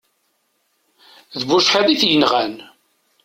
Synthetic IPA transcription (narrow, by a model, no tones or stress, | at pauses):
ðbuʃħæðiθjənʁæn